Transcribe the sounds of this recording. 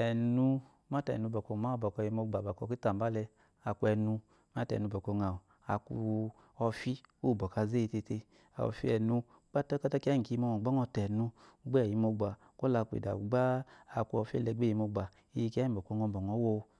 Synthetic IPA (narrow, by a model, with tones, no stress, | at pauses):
ɛ˨nu˧ | ma˦tɛ̰˨nu˧bɔ˨kɔ˧˨ma˦ɔ˧˨bɔ˨kɔ˧˨i˧mo˧ɡ͡ba˨ba˨kɔ˧˨ki˦ta˨m˨ba˦lɛ˧ | a˨ku˧ɛ˧nu˧ | m˦a˦tɛ̰˨nu˧bɔ˨kɔ˧ŋa˨ | a˨ku˧ | ɔ˧fi˦u˦˨bɔ˨ka˧ze˦i˧te˧te˧ | a˨ɔ̰˨fi˧˦ɛ˨nu˧ | k͡pa˦ta˦ka˦ta˦ki˦a˦i˨ki˧mɔ˧ŋɔ˨ɡ͡bɔ˨˦ŋɔ˧tɛ˨nu˧ɡ͡bɛ˦˨i˨˧mo˧ɡ͡ba˨ | ko˦la˧ku˧ḛ˨da̰˨u˨ɡ͡baː˦˧˨ku˧ɔ˧fḛ˦lɛ˧˨ɡ͡be˦˨i˨˧mo˧ɡ͡ba˨ | i˧ji˧ki˦a˦i˦˨bɔ˨ko˧ŋɔ˧bɔ˨ŋɔ˨˦wo˧